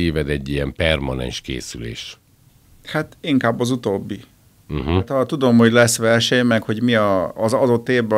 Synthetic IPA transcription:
eːvɛd̪ɛɟːijɛmpɛrmɒnɛ̰nʃkḛːsylḛːʃ | hat̪iŋkaːbːɒzut̪oːbːi | ɦt̪ɒt̪ud̪o̞mho̞ɟlɛsʋɛrʃɛɲmɛkho̞ɟmiɒːzɒd̪o̞t̪ːeːvbɛ

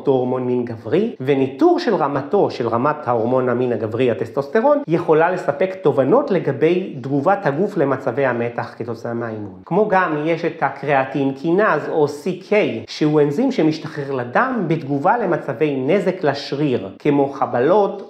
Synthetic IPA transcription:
tooʁmo̞nminɡavʁivenituʁʃe̞lʁamato̞ʃe̞lʁamathaoʁmo̞naminaɡavʁiat̪est̪osteʁo̞nje̞χo̞lale̞sape̞kt̪o̞vano̞tle̞ɡabe̞jd̪ɡuvathaɡufle̞mat͡save̞jhame̞taχket̪o̞t͡sameaimunkmo̞ɡamjeʃethakʁeatinkʰinazo̞sikʰejʃehuenzimʃemiʃtaχeχladambed̪ɡuvale̞mat͡save̞jne̞zeklaʃʁiʁkʰemo̞χabalo̞t

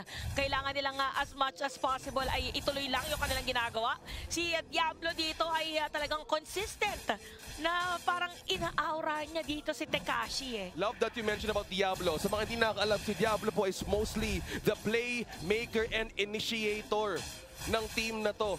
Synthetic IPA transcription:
kɐʔɪlaːŋɐnːɪlaŋɐʔɐsmɐt͡ʃɐspasɪbɐlʔɐjʔɪt̪ʊlojlɐŋjʊŋkɐnɪlaŋɡɪnaːɡɐwaʔsid̪jablo̞d̪iːt̪o̞ʔɐjɐt̪ɐlɐɡaŋkonsɪst̪ɐnt̪ | nɐpaːɾɐŋʔɪnaːʔawɾɐɲad̪iːt̪o̞sɪt̪ɛka̰ːʃilɐvd̪ɐt̪̚jumɛnʃɔnɐbawt̪̚d̪jablosɐmɐŋahɪnd̪inɐkɐkɐʔɐlamsid̪jablopoʔɪsmowst̪liðɐplejmejkɛɹʔɛ̃nd̪ɪniʃiejt̪oɹ | nɐŋt̪imnɐt̪o̞

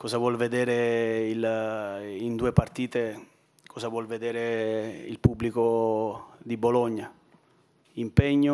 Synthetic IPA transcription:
kɔzavwɔlved̪ɛːɾeil | ind̪uːepart̪iːt̪e | kʰɔːzavwɔlved̪ɛːɾeḭlpubːliko | d̪ibolɔɲːa | impɛɲːʊ

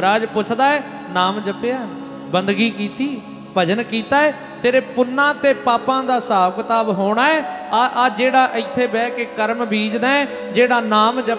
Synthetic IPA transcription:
ɾaːd͡ʒpʊt͡ʃʰd̪aːɛː | naːmd͡ʒəpɪjaː | bənd̪ɡiːkiːt̪iː | bʱəd͡ʒənkiːt̪aːɛː | t̪eːɾeːpʊnːãːt̪eːpaːpãːd̪aːsaːʋkt̪aːbɦoːɽ̃aːɛːaʔad͡ʒeːɽaːʔɪt̪ʰːeːbɛːkeːkəɾmbʱiːd͡ʒd̪aːɛː | d͡ʒeːɽaːnaːmd͡ʒə

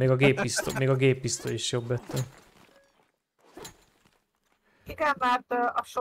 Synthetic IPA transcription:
meːɡɒɡeːpist̪omeːɡɒɡeːpːist̪oiʃjo̞bːɛt̪ːɛ | iɡɛmmaːrt̪ɒʃo

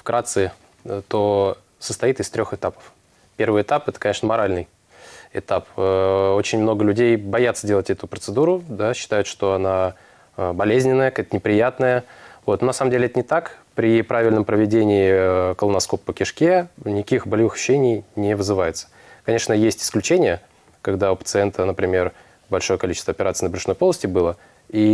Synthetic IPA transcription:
fkɾat̪sɨ | t̪o̞ | səst̪ɐit̪ɨst̪ɾʲo̞xɨt̪apə̥f | pʲe̞rvɨjɪt̪apɛt̪ə̥kɐnʲeʂnəmɐɾalʲnɨj | ɪt̪apəo̞t͡ɕɪnʲmno̞ɡəlʲʉdʲejbɐjat̪sədʲelˠətʲɛt̪ʊpɾət̪sɨd̪uɾʊd̪aɕːɪ̥t̪ajʊt̪ʂt̪o̞ɐna | bɐlʲezʲnʲɪnːəjəkɛt̪ənʲɪpɾʲɪjat̪nəjəvo̞t̪nonɐsaməmdʲelʲɪɛt̪ənʲɪt̪akpɾʲɪpɾavʲɪlʲnəmpɾəvʲɪdʲenʲɪːkəlˠənɐsko̞pːəkʲɪʂkʲenʲɪkʲixbəlʲɪvɨxʃʊːenʲɪjnʲɪvɨzɨvajɪt̪sə̥ | kɐnʲe̞ʂnəjesʲtʲɪ̥sklʲʉt͡ɕenʲɪjə | kaɡd̪aʊpət̪sɨɛnt̪ənəpɾʲɪmʲe̞r | bɐlʲʂo̞jəkɐlʲit͡ɕɪst̪vəɐpʲɪɾat̪sɨinəbʲɾʲɪʂno̞jpolˠəsʲtʲɪbɨlˠə | i

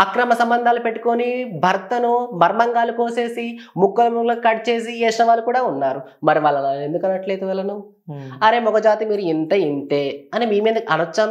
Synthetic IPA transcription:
ɐkɾɐmɐsɐmbɐnd̪ʱaːlupeʈːu̥konibʱɐɾt̪ɐnumɐɾmɐŋɡaːlukoːse̞ːsimukːɐlɐmuŋloːkɐʈt͡ʃe̞ːs̬iɛːʂɐʋaːlukuːɽaːunːaːɾumɐɾiʋaːɭːɐnaːe̞nd̪ukɐnːɐʈle̞ːd̪uʋɐlɐnu | ɐɾe̞ːmɔɡɐd͡ʒaːt̪imiːɾuint̪ɐint̪eːɐnimiːmeːd̪ɐɐnɐt͡ʃːɐn

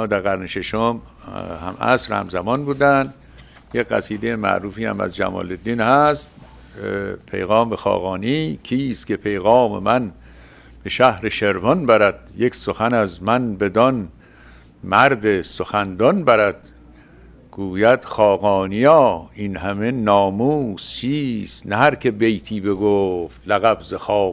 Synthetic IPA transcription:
d̪æɾɣæɾneʃeʃom | hæ̰mæ̰sɾhæ̰mzæmɒnbuːd̪ænd̪ | jecɢæ̰siːd̪ejemæ̰ʔɾuːfiːhæ̰mæ̰zd͡ʒæ̰mɒ̰ːled̪ːiːnhæst̪ | pʰe̞̰jɣɒːmbexɒ̰ːɣɒːniːkʰiːst̪kʰʲepʰe̞jɣɒːmḛmæn | b̥eʃæhɾeʃeɾvɒnbæɾæd̪̥jeksoxænæzmænbe̞d̪ɒn | mæɾd̪esoxænd̪ɒnbæɾæd̪̥ | ɡ̥uːjæd̪̥xɒːɣɒːnijɒːinhæme̞nɒːmuːst͡ʃʰiːst̪næhæɾkʰebejt̪ʰiːbe̞ɡoft̪læɣæbzexɒː

